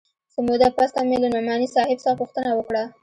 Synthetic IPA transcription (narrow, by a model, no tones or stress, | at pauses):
səmod̪apast̪amelanʊmɑnisɑhɪbsəxapuxt̪ənawəkɽa